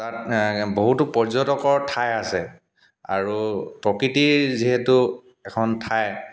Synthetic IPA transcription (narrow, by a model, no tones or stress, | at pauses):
tatboɦutupɔɹzɔtɔkɔɹtʰajasɛ | a̰ɹupɹɔkɹitiɹziɦetu | ɛkʰɔntʰaj